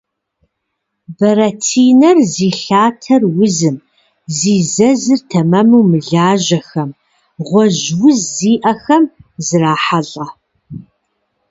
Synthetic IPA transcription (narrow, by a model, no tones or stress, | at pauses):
bɐɾɐtʰiːnɐrziːɬaːtʰɐrwʊzɨm | ziːzɐzɨrtʰɐmɐmuwmɨɮaːʒɐxɐm | ʁʷɔʒwʊzːiːʔɐxɐmzɨraːħaɮʼɐ